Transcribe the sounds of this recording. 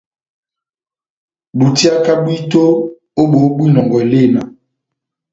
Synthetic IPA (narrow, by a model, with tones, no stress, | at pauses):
bu˨ti˦a˦ka˦bwi˦to˦ | o˦ɓo˨˦bwi˦nɔ˨ŋɡɔ˨le˦˨na˨